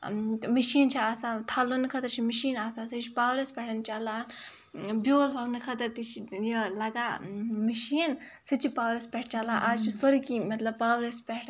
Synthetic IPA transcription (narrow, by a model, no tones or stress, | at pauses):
miʃiːnt͡ʃʰiaːsãːt̪ʰaːlonɨkʰɐt̪ɐɾt͡ʃʰimiʃiːnaːsaːsɐt͡ʃʰipaːwɾɐspʲɛʈʰɐnt͡ʃalaːn | bjoːlpʰɐwnɨkʰɐt̪ɐɾt̪it͡ʃʰijəlɐɡaːmiʃiːn | sɐt͡ʃʰipaːʋɾɐspʲɛʈ̚ʰt͡ʃalaːʔaːd͡ʒt͡ʃʰisoɾikimɐt̪lɐbpaːwɾespʲɛʈʰ